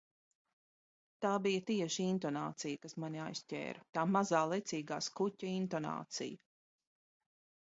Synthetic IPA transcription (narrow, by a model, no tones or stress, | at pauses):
t̪aːbijɐt̪iɛʃiint̪ɔna̰ːt̪sijɐkasmaniajstʲɛ̰ːɾɐt̪aːmazaːlˠɛt̪siːɡaːskucʲɐint̪ɔna̰ːt̪sḭjɐ